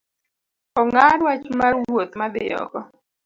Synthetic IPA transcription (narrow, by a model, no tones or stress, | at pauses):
ɔŋaɾwat͡ʃmarwwot̪mad̪ɪ̰jɔ̰kɔ